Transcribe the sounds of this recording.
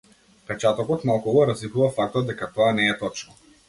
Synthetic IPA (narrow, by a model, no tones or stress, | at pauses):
pɛt͡ʃat̪ɔkɔt̪malˠkuɡɔɾazipuvafak̚t̪ɔd̪̚d̪ɛkat̪ɔanɛːt̪ɔt͡ʃnɔ